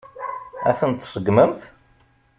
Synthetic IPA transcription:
æ̰θənt̪ːsəɡməmθ

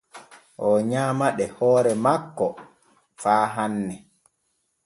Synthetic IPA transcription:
ʔɔɲaːmaɗɛhɔːɾɛmakːɔ | faːɦanːɛ

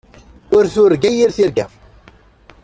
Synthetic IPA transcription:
ʊɾθʊɾɡæjiɾθiɾɡæ̰f

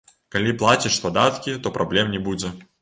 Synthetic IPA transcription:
kɐlʲiplˠat͡sʲɪʂspɐd̪at̪kʲɪt̪opɾɐblʲɛmnʲɪbud͡zʲɛ

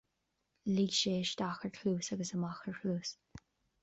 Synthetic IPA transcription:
liɡʃeːʃt̪axəɹkʰluːsaɡəsəmaxəɹxʰluːs

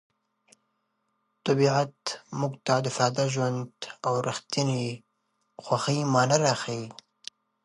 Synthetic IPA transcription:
t̪abiʕat̪mʊɡt̪ad̪əfɑd̪aʒwand̪awɾaxt̪ini | xwaxijmɑːnaɾaxai

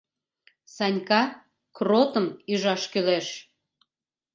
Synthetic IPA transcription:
sɑnʲkɑ | krot̪əmyʒɑʃkøleʃ

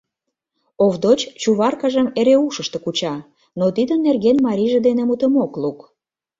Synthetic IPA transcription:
ovd̪ot͡ɕt͡ɕuβɑrkɑʒəmeɾeuʃə̆ʃt̪ə̆kut͡ɕɑ | not̪id̪ənːerɣenmɑɾʲiʒĕd̪enemut̪əmokluk

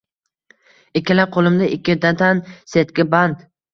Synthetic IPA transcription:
ɪkʲʰːɪlaqʰolˠɪmd̪aʔɪkʲːɪd̪at̪ʰanset̪kʲɪband̪

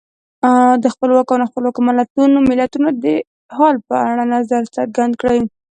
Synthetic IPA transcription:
d̪əxpəlwɑkonxpəlwɑkomalat̪unomɪlat̪unod̪ə | hɑlpəaɽanazaɾsaɾɡand̪kɽaj

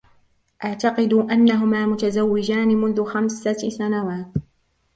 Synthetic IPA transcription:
ʔaʕt̪aqɨd̪uʔanːaɦʊmaːmʊt̪azawːɪd͡ʒaːnɪmʊnðʊxamsasanawaːt̪

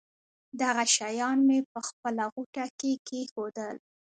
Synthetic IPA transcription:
d̪aɣaʃajɑnmepəxpəlaɣuʈakekexod̪əl

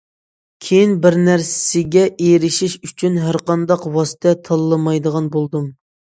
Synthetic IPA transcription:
kʲʰejinbɪɾnæɾssɪɡʲɛʔejɾɪʃiʃyt͡ʃʰynɦæɾqɑnd̪ɑqwɑsɨ̥t̪ʰɛt̪ʰɑlˠːɨmɑjd̪əʁɑnbolˠd̪um

